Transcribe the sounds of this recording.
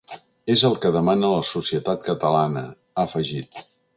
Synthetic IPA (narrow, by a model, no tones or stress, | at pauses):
ezəlˠkəðəmanələsusiət̪at̪kət̪əlanə̰ | əfəʒit̪̚